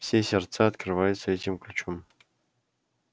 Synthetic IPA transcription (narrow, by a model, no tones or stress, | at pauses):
fsʲesʲert̪saɐt̪krɨvajʊt̪səɛtʲimklʲut͡ɕom